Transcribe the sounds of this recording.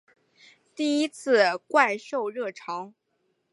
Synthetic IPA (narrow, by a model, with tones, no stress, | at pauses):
t̪i˥˩i˥t͡sʰɹ̩˥˩˧kwa˥˧ɪʂo˥˧ʊɻɤ˥˩ʈ͡ʂʰɑ˧˥ŋ